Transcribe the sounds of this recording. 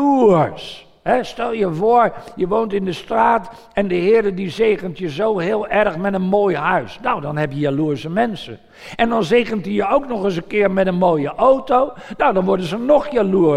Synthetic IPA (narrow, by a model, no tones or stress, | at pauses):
us | hɛstɛlˠjəvoːəɹjəʋoːntɪndəstraːt | ɛndəɦɪːɾədizeːɣəntjəzowɦɪːlˠɛrxmɛtənmoːjɦœɥsnawdɔnɦɛpjəjaluːəɹsəmɛnsə | ʔɛndɔnzeːɣəntəjəowknɔχəs̬ənkɪːrmɛtənmoːjəʔowtownawdɔnʋɔɹdəzənɔxjalu